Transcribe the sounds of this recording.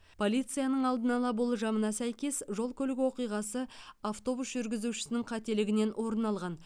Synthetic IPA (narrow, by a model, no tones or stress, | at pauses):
pʰo̞lʲit̪sɨjanəɴɑlˠd̪ənɑlˠɑbolˠəʒɑmənɑsæjkʲe̞sʒo̞lˠkʲʰɵlɪɡʲɪwo̞qijʁɑsəaft̪o̞busʒʏɾɡʲɪzuʃɪ̥sɪnɪŋqʰɑt̪e̞lɪɡʲɪne̞nwʔo̞ɾənɑlˠʁɑn